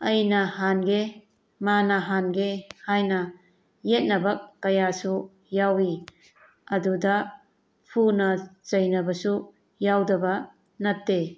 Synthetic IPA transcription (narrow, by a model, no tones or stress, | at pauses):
ɐjnɐhanɡe | manɐɦanɡehajnɐ | jet̚nɐbɐkːɐjasu | jawi | ɐdudɐ | pʰunɐt͡ʃɐjnɐbɐsu | jawdɐbɐ | nɐtːe